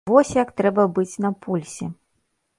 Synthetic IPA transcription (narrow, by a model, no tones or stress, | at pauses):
vɔsʲjɐkt̪ɾɛbɐbɨt͡sʲnɐpʰulʲsʲɛ